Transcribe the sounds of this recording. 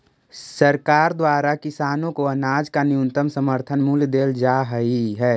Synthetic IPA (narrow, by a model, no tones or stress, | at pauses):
səɾkaːɾd̪waːɾakɪsaːnõkoənaːd͡ʒkaniunt̪əmsəməɾt̪ʰənmuːljd̪eːld͡ʒaːɦəiɦɛː